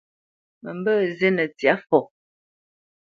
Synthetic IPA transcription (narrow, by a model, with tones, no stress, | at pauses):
mə˨mbə˦ze˦nə˨t͡sja˨˦fɔ˨